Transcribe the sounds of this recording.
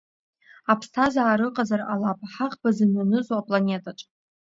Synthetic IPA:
apʰstʰazaːɾɨqʼazaralapʰʼaħaqʼbazɨnɨnɨzoapʼlanʲe̞tʼaʈ͡ʂʼ

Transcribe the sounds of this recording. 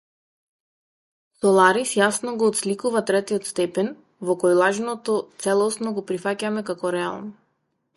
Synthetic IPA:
sɔlˠaɾisjasnɔɡɔːt̪slikuvat̪ɾɛt̪iɔt̪st̪ɛpɛn | vɔkɔjlˠaʒnɔt̪ɔt̪sɛlˠɔsnɔɡɔpɾifacamɛkakɔɾɛa̰lˠnɔ

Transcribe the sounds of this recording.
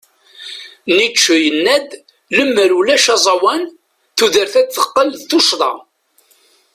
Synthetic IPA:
nit͡ʃːujənːæd̪ | ləmːəɾulæʃɑzˤɑwæn | θuðəɾθæθəqːəlðθuʃðˤɑ̰

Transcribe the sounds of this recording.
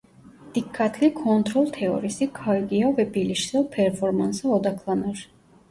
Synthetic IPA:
d̪̥ikʰːat̪ʰlikʰɔnt̪ʰɾɔlˠt̪ʰɛɔ̰ɾisikʰajɡiavɛbiliʃzɛlˠpʰɛɾfɔɾmansaɔd̪akʰlˠanaɾ

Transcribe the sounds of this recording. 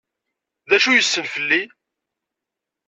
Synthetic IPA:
ðæʃujəsːəlfəlːi

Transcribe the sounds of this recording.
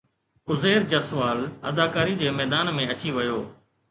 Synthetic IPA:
ʊzeːɾd͡ʒəsʋaːlə̰d̪aːkaːɾiːd͡ʑeːmɛːd̪aːnmẽət͡ɕiːʋəjoː

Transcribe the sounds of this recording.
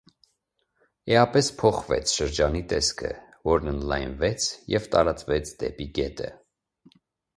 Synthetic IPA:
ɛɑpɛspʰɔχvɛ̰t͡sʰʃəɾd͡ʒɑnit̪ɛskʰə̰ | vɔɾnənlɑ̰jnvɛt͡sʰjɛvt̪ɑɾɑt͡svɛt͡sʰd̪ɛ̰piɡɛt̪ʰə̰

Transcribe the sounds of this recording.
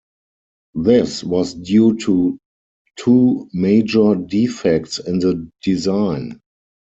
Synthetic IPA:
ðɪswɔsdjuːtʰu | tʰuːmeɪd͡ʒə˞difɛk̚tsɪ̃nðədizãɪ̃n

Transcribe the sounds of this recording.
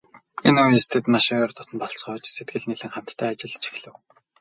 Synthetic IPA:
enujst̪ʰeːt̪maʃiŋɔrt̪ʊt̪ʰə̆npɔɮsχœːt͡ɕset̪̚ɡɘ̆ɮniɮɘ̆ŋχam̥t̪ːʰæːat͡ɕɪ̆ɮt͡ɕʰi̥xɮɘ̆w

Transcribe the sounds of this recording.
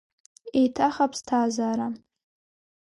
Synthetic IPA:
ejtʰaχapʰstʰaːzaːɾa

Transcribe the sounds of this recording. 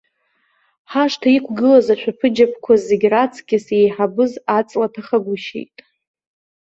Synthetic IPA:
ħaʂtʰaikʷʰɡɨlazaʃʷᶣʰapʰɨd͡ʒapʰkʷʰazeɡʲrat͡sʰɡʲɪsejħabɨzat͡sʼlatʰaχaɡʷʊʃḛjtʼ

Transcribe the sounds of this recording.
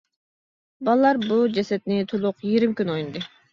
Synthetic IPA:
bɑlˠlːˠɑɾbud͡ʒesɛt̪nit̪ʰulˠuqjiɾimkʲynojund̪ɨ

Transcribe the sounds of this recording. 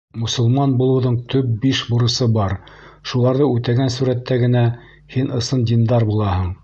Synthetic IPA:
mɵ̆sŏlˠmɑnbulˠɤ̆wðɤɴt̪ʰɵp̚biʃbuɾɤ̆sɤbɑɾʃulˠɑɾðɤʉt̪æɡænsuɾæt̪ːæɡɘ̆næ | hinɤ̆sɤnd̪ʲind̪ɑɾbulˠɑhɤ̆ɴ

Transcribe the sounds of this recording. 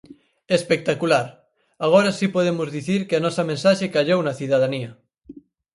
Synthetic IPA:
espek̚t̪akulaɾ | aɣ̞oɾasipoðemozðiθiɾkeanɔsɐmẽnsaʃekaʎownɐθiðaðaniɐ

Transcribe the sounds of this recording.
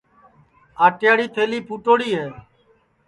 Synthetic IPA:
aːʈjaːɽiːt̪ʰeːliːpʰuːʈoːɽiːɦeː

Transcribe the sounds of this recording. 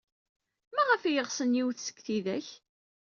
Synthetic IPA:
mæʁəfijəʁsənjiwθsə̥kːθiðæ̰ç

